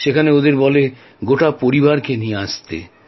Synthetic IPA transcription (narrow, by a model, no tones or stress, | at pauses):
ʃekʰaneod̪eɾbɔle | ɡoʈapoɾibaɾkenijeaʃt̪ḛ